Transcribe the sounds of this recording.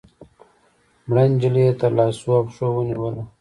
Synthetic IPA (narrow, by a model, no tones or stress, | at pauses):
mɽand͡ʒiliet̪alɑːsuapʂowəniwəla